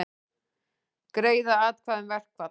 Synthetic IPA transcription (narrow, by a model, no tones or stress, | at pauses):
kɾeːjðaaːt̪kʰvaːðɪnvɛr̥kva